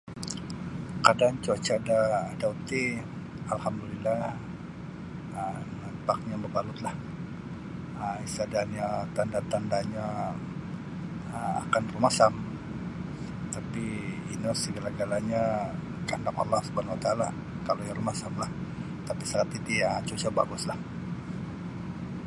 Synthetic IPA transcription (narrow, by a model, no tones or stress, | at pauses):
kadant͡ʃuat͡ʃadaːdaut̪i | alhamdulilːa | ənapak̚ɲabəbalut̪lah | əisadanjat̪andat̪andaɲa | əa̰kanrumasam | t̪apiinasəɡalaɡalaɲa | kandaka̰lːahsubanawat̪aːla | kalojarumasamlah | t̪apisaɾat̪it̪ijaŋat͡ʃut͡ʃɔba̰ɡʊslah